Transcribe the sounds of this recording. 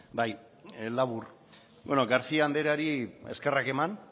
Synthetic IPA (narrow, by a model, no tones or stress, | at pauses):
baj | laβur | bwenoɡaɾt͡siaand̪e̞ɾaɾie̞ske̞rake̞man